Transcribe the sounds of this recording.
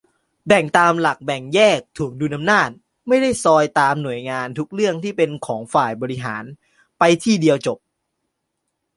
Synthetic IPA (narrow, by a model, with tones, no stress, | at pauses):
bɛ˨˩ŋt̪aː˧mla˨˩k̚bɛ˨˩ŋjɛː˥˩k̚t̪ʰu˨˩˦əŋduː˧nʔa˧mnaː˥˩t̪̚ | ma˥˩jda˥˩jsɔː˧jt̪aː˧mnu˨˩əjŋaː˧nt̪ʰu˦˥k̚ɾɯ˥˩əŋt̪ʰiː˥˩pe˧nkʰɔː˩˦ŋfaː˨˩jbɔː˧ɾi˦˥ɦa̰ː˩˦n | pa˧jt̪ʰiː˥˩di˧əwt͡ɕo˨˩p̚